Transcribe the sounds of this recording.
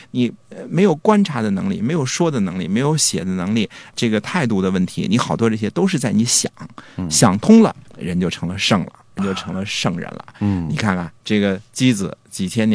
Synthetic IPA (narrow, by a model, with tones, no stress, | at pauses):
ni˨˩˧me˧˥ɪjo˨˩ʊkwa˥nʈ͡ʂʰa˧˥d̪ə˧nɤ̰˧˥ŋli˥˩me˧˥ɪjo˨˩ʊʂwɔ˥d̪ə˨nɤ˧˥ŋli˥˩me˧˥ɪjo˧˥ʊɕjɛ̰˨˩d̪ə˦nɤ˧˥ŋli˥˩ʈ͡ʂɤ˥˩ɡə˩t̪ʰa˥˧ɪt̪u˥˩d̪ə˩wə˥˩nt̪ʰḭ˧˥ni˧˥xɑ˨˩ʊt̪wɔ˥ʈ͡ʂɤ˥˩ɕjɛ˥t̪o˥ʊʂɻ̩˥˧t͡sa˥˩ɪni˧˥ɕjɑ˨˩˦ŋɕjɑ˨˩ŋt̪ʰʊ˥ŋlə̰˨ɻə˧˥nt͡ɕjo˥˩ʊʈ͡ʂʰɤ˧˥ŋlə˧ʂɤ˥˩ŋlə̰˩ɻə˧˥nt͡ɕjo˥˩ʊʈ͡ʂʰɤ˧˥ŋlə˧ʂɤ˥˩ŋɻə̰˧˥nlə̰˧ni˨˩kʰa˥˩nka˥˩nʈ͡ʂɤ˥˩ɡə˩t͡ɕi˥d͡zɹ̩˩t͡ɕi˨˩t͡ɕʰjɛ˥n